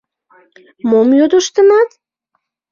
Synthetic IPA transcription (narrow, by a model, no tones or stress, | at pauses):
momjod̪əʃt̪ə̆nɑt̪